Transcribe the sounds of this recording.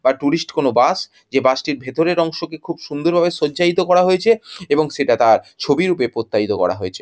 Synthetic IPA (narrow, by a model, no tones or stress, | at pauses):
baʈuɾisʈkonobas | d͡ʑebasʈiɾbʱet̪oɾeɾɔŋʃokekʰubʃund̪oɾbʱabeʃodːd͡ʑait̪okɔɾaɦojet͡ɕʰeeboŋʃeʈat̪aɾt͡ɕʰobiɾupepɾot̪ːait̪okɔ̰ɽa̰ɦojet͡ɕʰe